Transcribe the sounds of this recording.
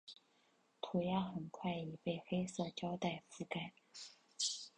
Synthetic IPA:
t̪ʰu˨˩ja˥xə˨˩nkʰwa˥˩ɪi˨˩pe˥˩ɪxe˥ɪsɤ˥˩t͡ɕjɑ˥ʊt̪a˥˩ɪfu˥˩ka˨˩ɪ

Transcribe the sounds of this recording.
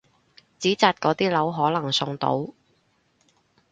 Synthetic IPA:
t͡siː˨˥t͡saː˧t̚kɔː˨˥t̪iː˥lɐ˨˥wɦɔː˨˥lɐ˨˩ŋsʊ˧ŋt̪o̰˧˥w

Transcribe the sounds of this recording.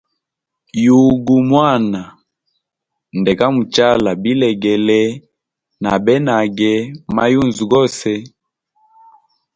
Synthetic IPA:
ju˨ɡu˨mwa˦˨na˨ | ndɛ˨ka˦mu˨t͡ʃa˦la˨bi˦lɛ˨ɡɛ˨lɛ˦ | na˨bɛ˦na˨ɡɛ˦ma˦ju˦˨nzu˨ɡɔ˦sɛ˦

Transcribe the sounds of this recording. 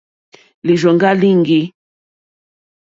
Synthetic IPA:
li˨ʒɔ˨ŋɡa˦li˦ŋɡi˦

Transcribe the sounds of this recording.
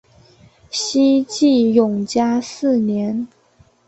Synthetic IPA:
ɕi˥t͡ɕi˥˩jʊ˨˩ŋt͡ɕja˥sɹ̩˥˩njɛ˧˥n

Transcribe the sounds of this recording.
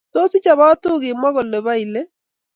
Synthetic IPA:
to˦si˦t͡ʃa˨βa˦to˦ɣe˨mwa˦ɣɔ˨lɛ˨βa˦i˨lɛ˦

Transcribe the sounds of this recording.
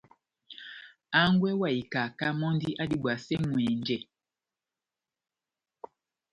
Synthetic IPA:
a˦ŋɡwɛ˦wa˨i˨ka˨ka˦mɔ˦ndi˦ʔa˦di˨ɓwa˨sɛ˦ŋwɛ˨nd͡ʒɛ˦

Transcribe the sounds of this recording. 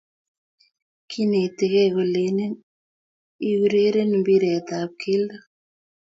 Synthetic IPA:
kʰi˦ne˨te˨ɣɛ˦ɣo˨le˨˦ne˦n | i˦ɣu˦ɾe˦ɾe˦n˨mbi˦ɾɛ˨t̪a˨p̚kʰe˦la˦

